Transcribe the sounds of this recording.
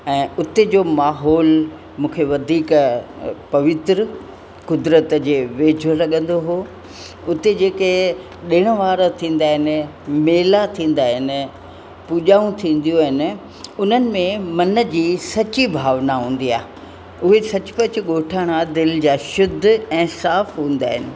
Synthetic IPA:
ɛ̃ːʊt̪ed͡ʑoːmaːɦɔːl | mũːkʰeʋɐd̪ʱiːk | pɐʋɪt̪ɾə | kʊd̪ɾət̪d͡ʑeːʋeːd͡ʑʱolɐɠə̃nd̪oɦoː | ʊt̪ed͡ʑeːke | ɗɪːɽ̃əʋaːɾət̪ʰĩːn̆d̪aːɦɪnɪ̆meːlat̪ʰĩːn̆d̪aːɦɪnɪ̆ | puːʄaːũt̪ʰĩːn̆d̪ijoɦɪnɪ̆ | ʊn̤ənɪ̆mẽmɐnəd͡ʑiːsɐt͡ɕibʱaːʋnaɦũːn̆d̪ia̰ːɦ | ʊɦesɐt͡ɕʊ̥̆pɐt͡ɕʊɠoːʈʰaːɽ̃ad̪ɪld͡ʑaːʃʊd̪ʱːɛ̃ːsaːfɦũːn̆d̪aːɦɪnɪ̆

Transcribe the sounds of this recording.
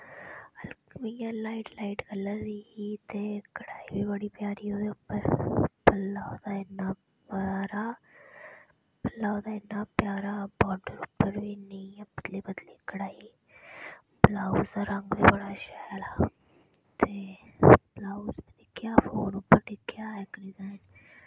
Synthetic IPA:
lmijãːlaːiʈlaːiʈɡəlːəɾd̪iiːt̪eːkəɽaːiːbiːbəɽiːpjaːɾioːd̪eʊpːəɾbəlaːod̪aːɪnːaː | baɾaː | pəlːaːod̪aːɪnːaːpjaːɾaːbɔːɖəɾʊpːəɾʋiːnəĩːbəd̪leːbəd̪liːkəɽaːiː | blaːuzd̪aːɾəŋɡʋiːbəɽaːʃɛːlaː | t̪eːblaːuzbiːd̪ɪkʰːjaːfoːnʊpːəɾɖɪkʰːjaːɪkɖɪzaːɪn

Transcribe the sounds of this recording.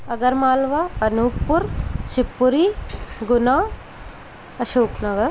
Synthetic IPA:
ɐɡɐɾmaːlʋaɐnuːkpːʊɾʃipːuɾiɡʊnaː | ɐʃoːpnɐɡɐɾ

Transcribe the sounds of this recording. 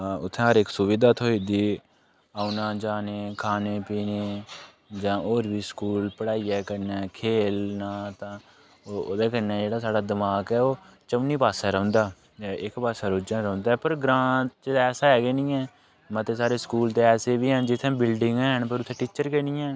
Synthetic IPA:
ʊt̪ʰːẽːɦəɾɪksʊʋɪd̪aːt̪ʰoːiːd̪iː | aːunãːd͡ʒaːneːkʰaːneːpiːneː | d͡ʒãːʔoːɾbiːskuːlpəɽaːiːɛːkəɾnɛːkʰeːlnãːt̪ãː | oːoːd̪eːkənɛːd͡ʒeːɽaːsaːɖaːd̪ɪmaːkɛːoːt͡ʃəmniːpaːsɛːɾə̃ʊ̃ːnd̪aː | ɪkpaːsaːɾoːd͡ʒãːɾəʊ̃nd̪aːɛːpəɾɡɾãːt͡ʃɛːsaːɦɛːɡeːnĩːɛː | mət̪eːsaːɾeːskuːlt̪eːɛːseːbiːɦənd͡ʒɪt̪ʰːɛ̃ːbɪlɖɪŋɡɛːɦənpəɾʊt̪ʰẽːʈiːt͡ʃəɾkeːnĩːɛ̃ː

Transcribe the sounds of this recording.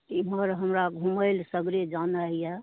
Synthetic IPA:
t̪iməɾɦəmɾaɡʱũməɪlsəɡɾed͡ʒanaɦija

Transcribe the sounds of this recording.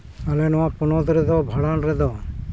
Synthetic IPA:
alɛnɔwapunɔd̪ɾɛd̪ɔbʱaɽanɾɛd̪ɔ

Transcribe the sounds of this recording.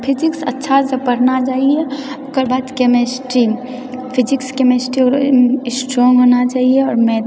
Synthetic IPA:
pʰɪd͡ʒɪksɐ̰tːʃʰasəpəɾnat͡ʃaːɦie | ʊkəɾbaːd̪kemesʈɾi | pʰɪd͡ʒɪkskemesʈɾiɔɾsʈɾɔːŋɡɦoːnat͡ʃaːɦieɔːɾmɛ̃

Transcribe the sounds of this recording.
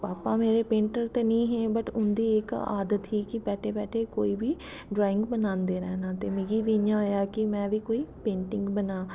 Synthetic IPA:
paːpaːmeːɾeːpẽːɳʈəɾt̪eːnĩːɦẽːbəʈʊnd̪iːɪka̰ːd̪ət̪ɦiːkɪpɛːʈʰeːpɛːʈʰeːkoːiːbiː | ɖɾaːɪ̃ŋɡbənãːnd̪eːɾɛːnãːt̪eːmeːɡiːʋijãːɦoːjaːkɪmɛ̃ːʋiːkoːiːpẽːɳʈɪ̃ŋɡbənaː

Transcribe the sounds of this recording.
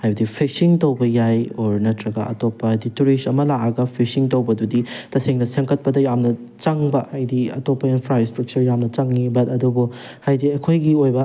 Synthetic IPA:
hajbɐdipʰisiŋtowbɐjajɔɾnɐtɾɐɡɐʔɐ̰topːɐajdituɾisɐmɐlaɐɡɐpʰisiŋtowbɐduditɐseŋnɐseŋkʰɐt̚pɐdɐjamnɐ | t͡ʃaŋbɐhajdiɐ̰topːɐinpʰɾajstɾɐk̚t͡ʃɐɾjamnɐt͡ʃaŋːibɐtɐdubu | hajdiɐkʰojɡiojbɐ

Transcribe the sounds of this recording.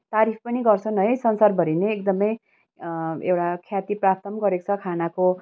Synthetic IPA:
t̪aɾip̚ʰpʌniɡʌrt͡sʰʌnʌjsʌnsarbʱʌɾineːkd̪ʌmʌj | ḛwɽakʰjat̪iprap̚t̪ʌmɡʌɾekt͡sʰʌkʰanako

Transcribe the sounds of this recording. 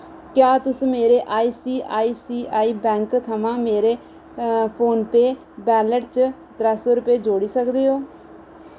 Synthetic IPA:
kjaːt̪ʊsũːmeːɾeːʔaːiːsiːʔaːiːsiːʔaːiːbɛ̃ːŋkt̪ʰəmãːmeːɾeː | pʰoːnpeː | bɛːləʈt͡ʃ | d̪ɾəsoːɾʊpeːd͡ʒoːɽiːsəkd̪eːɦoː

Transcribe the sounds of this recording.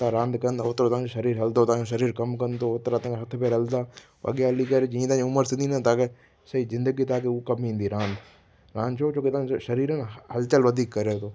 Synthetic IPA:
t̪ãɾãːnd̪kɐnd̪aʊt̪ɾot̪ãd͡ʑoʃɐɾiːɾɦɐld̪oːt̪ããoʃ̬ɐɾiːɾkɐmkɐnt̪oʊt̪ɾat̪ãɦɐt̪ʰpeɾɐld̪aː | ɐ̰ɠjaɦlikɐɾed͡ʒĩːt̪ãːɲʊməɾsĩnd̪ĩːnat̪aːke | sɐizɪ̃nd̪əɡit̪aːkeukɐmĩːnd̪iɾãːnd̪ | ɾãːnd̪t͡ʃʰot͡ʃõːket̪ãʃɐɾiːɾənhɐlt͡ʃəlʋɐd̪ʱiːkːɐɾet̪oː

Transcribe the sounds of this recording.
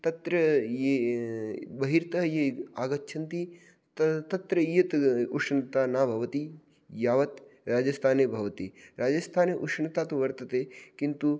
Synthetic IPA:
t̪ɐt̪ɾɐje | bɐɦiɾt̪ɐɦjeaːɡɐtːʃʰɐnt̪i | t̪t̪ɐt̪ɾɐijɐt̪uʂɳt̪aːnaːbʱɐʋɐt̪i | jaːʋɐt̪ɾaːd͡ʒɐst̪ʰaːnebʱɐʋɐt̪iɾaːd͡ʒɐst̪ʰaːneʔuʂɳɐt̪aːt̪uʋɐɾt̪ɐt̪eːkint̪u

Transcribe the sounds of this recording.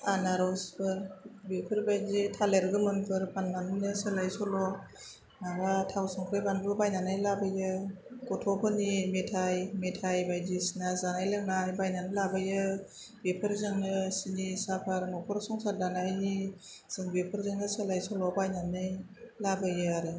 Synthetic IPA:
anaɾɔsbɯbepʰɯɾbajzitʰaleɾɡɯmɯnpʰɯɾpʰanmanɯnɯsɯlajsɔlɔ | nabatʰawsɔŋpʰɾɯjbanbɯbajnanɯjlabɯjɯ | kɔtʰɔpʰɯnimetʰajmetʰajbajdisinazanajlɯŋnajbajnanɯlabɯjɯ | bepʰɯɾzɯŋnɯsinisapʰaɾnɔkʰɔɾsɔŋsadanajniz̥ɯŋbepʰɯɾzɯŋnɯsɯlajsɔlɔbajnanɯjlabɯjɯaɾɯ

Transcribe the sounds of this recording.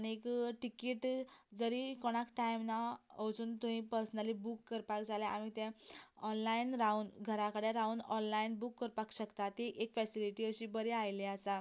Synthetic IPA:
nekʈikiːʈd͡zəɾikɔɽ̃akʈajmnaəwt͡suːnt̪umĩpəɾsənalibukːəɾpakd͡zaleʔamit̪ɛ̃ɔnlainɾaunɡʱəɾakəɽeɾaunɔnlainbukːəɾpakɕəkt̪at̪iʔekfɛsiliʈiəɕiːbəɾeajleasa

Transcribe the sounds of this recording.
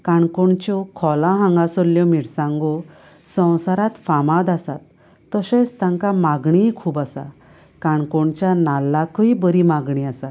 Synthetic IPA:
kaɳkɔɳt͡ɕɔkʰɔlãɦãŋɡasɔlːjɔmiɽsãŋɡɔ | sə̃w̃saɾat̪famad̪asat̪ː | əɕɛ̃st̪ãŋkamaɡɳikʰuːbasa̰ | kaɳkɔɳt͡ɕjanalːakɔibəɾimaɡɳiasa

